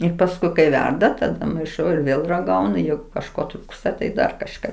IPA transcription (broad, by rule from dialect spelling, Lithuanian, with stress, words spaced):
ɪr pɐsˈkʊɪ kɐɪ ˈʋʲɛrdɐ tɐˈdɐ mɐɪˈʃɐʊ ɪr ˈʋʲeːlˠ rɐˈɡɐʊnʊ ˈjɛɪɡʊ kɐʃˈkoː ˈtruːkstɐ tɐɪ ˈdɐr kɐʃˈkɐ